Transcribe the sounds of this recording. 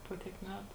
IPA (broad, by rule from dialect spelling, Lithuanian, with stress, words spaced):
ˈpoː tʲiɛk ˈmʲæːtʊ